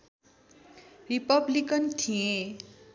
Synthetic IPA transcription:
ripʌblikʌnt̪ʰiẽ

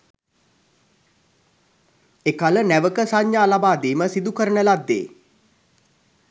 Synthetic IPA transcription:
ekalənæʋəkəsaɲjaːlabaːd̪iːməsid̪ukəɾənəlad̪ːḛː

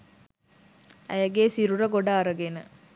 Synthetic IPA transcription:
æ̰jəɡeːsiɾuɾəɡoɖaːɾəɡenə

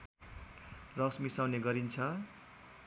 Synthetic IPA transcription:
rʌsmisawneɡʌɾint͡sʰʌ

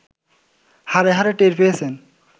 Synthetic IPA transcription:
haɾeɦaɾeʈeɾpejet͡ɕʰen

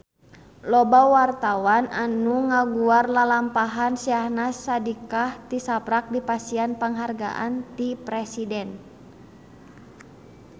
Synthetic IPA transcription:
lɔbawart̪awanʔanuŋaɡuarlalampaɦansiahnasadikaht̪isapɾak̚dipasianpəŋɦarɡa̰ʔa̰nt̪ipɾɛsidɛn

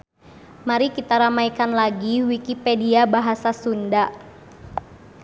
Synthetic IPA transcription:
maɾikit̪aɾamaikanlaɡiwikipɛdiabaɦasasunda

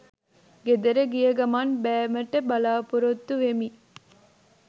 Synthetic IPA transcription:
ɡed̪eɾɐɡijɐɡɐmanbæːmɐʈːəbɐlaːpuɾot̪ːuʋemi

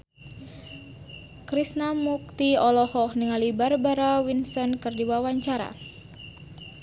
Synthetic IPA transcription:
kɾisnamuk̚t̪iɔlɔhɔhniŋalibarbaɾawinsɔnkɨrdiwawaɲt͡ʃaɾa̰

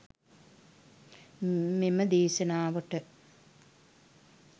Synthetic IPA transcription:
meməd̪eːʃɐnaːʋəʈə

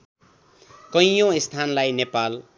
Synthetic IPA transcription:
kʌjjõist̪ʰanlajnepal

